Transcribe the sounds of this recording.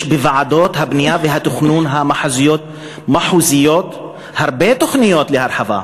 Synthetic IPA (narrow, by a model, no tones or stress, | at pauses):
ʃbevaʕad̪oːt̪habnijaveɦat̪ʊxnuːnɦamaħazɪjoːt̪̚ | maħuːzɪjoːt̪ | haɾbet̪oxnɪjoːt̪lehaɾˤħava̰